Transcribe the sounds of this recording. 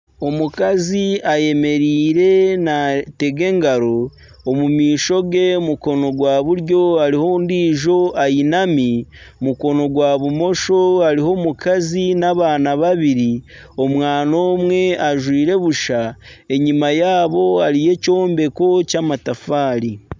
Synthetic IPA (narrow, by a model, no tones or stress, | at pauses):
o̞mukaziaje̞me̞ɾiːɾe̞nate̞ɡe̞ŋɡaɾo̞ː | mumiːʃo̞ɡe̞muko̞no̞ɡwaːβuɾjo̞aɾihondiːʒo̞ajinamimuko̞no̞ɡwaβumo̞ʃo̞aɾiho̞mukazinaβaːnaβaβiɾi | omwaːno̞ːmwe̞aʒwiːɾe̞βuʃae̞ɲimajaːβo̞aɾije̞co̞ːmbe̞ko̞camatafaːɾi